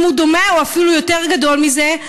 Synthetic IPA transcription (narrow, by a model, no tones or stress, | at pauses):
mhud̪o̞meuafilujote̞ʁɡad̪o̞lmize